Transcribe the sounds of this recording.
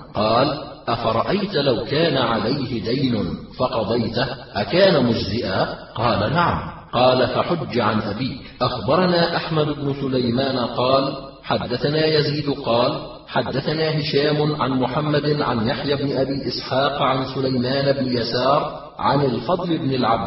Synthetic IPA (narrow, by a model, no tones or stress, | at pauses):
qɑːl | ʔafɑɾˤɑʔajt̪lawkaːnaʕalajhɪd̪ajnʊfɑqɑd̪ˤɑjt̪aʔakaːnamʊd͡ʒzɪʔaːqɑːlanaʕamqɑːlafaħʊd͡ʒːʕanʔabiːkʔaxbɑɾˤɑnaːʔaħmad̪ʊbnʊsʊlajmaːnqɑːl | ħad̪ːaθanaːjaziːd̪qɑːl | ħad̪ːaθanaːɦɪʃaːmʊʕa̰nmʊħamːad̪ɪnʕa̰njaħjabnɪʔabiːʔɪsħɑːqʕansʊlajmaːnabnɪjasɑːɾˤ | ʕa̰nɪlfɑd̪ˤlɪbnɪlʕab̚d̪